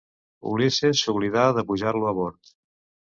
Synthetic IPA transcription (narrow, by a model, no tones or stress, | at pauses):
ṵlisesuβliðaðəpuʒaɾluaβɔɾt̪